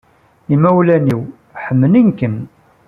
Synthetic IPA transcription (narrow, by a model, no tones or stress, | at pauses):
imæwlæniw | ħəmːəninkən